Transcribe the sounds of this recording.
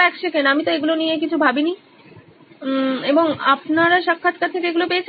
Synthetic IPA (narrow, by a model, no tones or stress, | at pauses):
ɛkʃekenamit̪oeɡulonijek̬it͡ɕʰubʱabini | eboŋapnaɾaʃakʰːat̪̚kat̪ʰːekeeɡulopejet͡ɕʰ